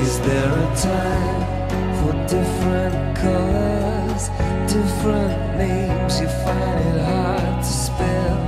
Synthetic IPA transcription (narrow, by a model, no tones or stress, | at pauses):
ɪzðə˞ɨtʰãɪ̃m | fə˞dɪfɹə̃n | kʰʌlˠə˞ | z̥ | dɪfɹə̃nθɪ̃ | ŋzjɨfãɪ̃nd̚ɦɑɹd̚tʰɨspɛlˠ